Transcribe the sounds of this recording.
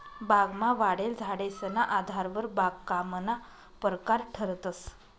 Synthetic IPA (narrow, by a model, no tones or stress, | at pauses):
baɡmaʋaɽeld͡zʱaɽesənaʔad̪ʱaɾʋəɾbaɡkamna | pəɾkaɾʈʰəɾt̪əs